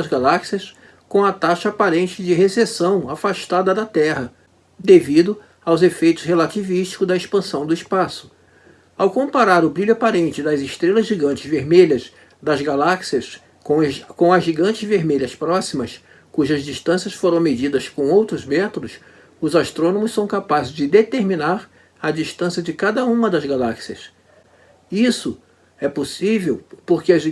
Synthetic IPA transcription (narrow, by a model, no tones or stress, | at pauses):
ɐzɡalaksiɐs | kõw̃ɐt̪aʃɐːpaɾẽnt͡ʃɪd͡ʒɪɦesesɐ̃w̃afaʃt̪ad̪ɐd̪ɐt̪ɛɦɐ | d̪evid̪ʊ | awzefejt̪ʊzhelat͡ʃiviʃt͡ʃi̥kʊzd̪ɐespɐ̃sɐ̃w̃d̪ʊɪspasʊ̥ | awkõpaɾaɾʊbɾiʎʊapaɾẽnt͡ʃɪd̪ɐzɪʃt̪ɾelɐzʒiɡɐ̃t͡ʃɪzveɾmeʎɐs | d̪ɐzɡalaksiɐs | kõkõɐzʒiɡɐ̃nt͡ʃɪzveɾmeʎɐspɾɔsimɐs | kuʒɐzd͡ʒiʃt̪ɐ̃siɐsfoɾɐ̃w̃med͡ʒid̪ɐskõw̃owt̪ɾʊzmɛt̪od̪ʊs | ʊzaʃt̪ɾõnõmʊssɐ̃w̃kapazɪzd͡ʒɪd̪et̪eɾminaɾ | ɐd͡ʒiʃt̪ɐ̃siɐd͡ʒɪkad̪ɐũmɐd̪ɐzɡalaksiɐs | isʊ | ɛposivewpoɾkɪɐz